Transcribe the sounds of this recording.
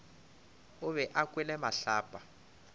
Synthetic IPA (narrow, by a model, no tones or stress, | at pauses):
ʊβɛʔakwɛlɛmaɬaːpʼa